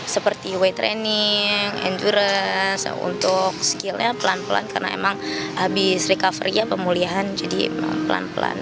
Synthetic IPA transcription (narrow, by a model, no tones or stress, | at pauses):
səpərt̪iwet̪ɾeniŋɛ̰nduɾəsṵnt̪ʊk̚skilɲapəlanpəla̰nkarna̰ḛmaŋabɪsɾikafəɾiapəmuliaɦand͡ʒadḭma̰ŋpəla̰npəla̰n